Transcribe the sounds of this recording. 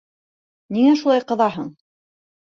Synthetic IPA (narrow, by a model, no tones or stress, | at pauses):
niŋæʃulˠɑjqɤ̆ðɑɦɤɴ